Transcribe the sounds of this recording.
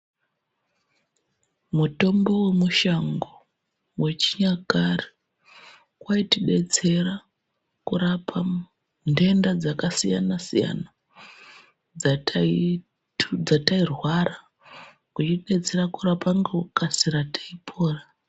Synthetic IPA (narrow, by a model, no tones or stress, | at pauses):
muto̞mbo̞we̞muʃaŋɡo | we̞t͡ʃiɲakari̥ | kwaitiɗe̞t͡se̞ɾa | kuɾapʰa | nde̞ndad͡zakasija̰nasija̰na | d͡zatʰai | d͡zatairwara | kut͡ʃiɗe̞t͡se̞ɾakurapaŋɡokasiɾatʰḁipʰo̞ːra